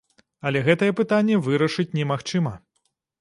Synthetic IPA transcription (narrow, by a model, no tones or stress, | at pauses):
ɐlʲɛɣɛt̪ɐjɛpɨt̪anʲːɛvɨɾɐʂɨt͡sʲnʲɛmaxt͡ʂɨmɐ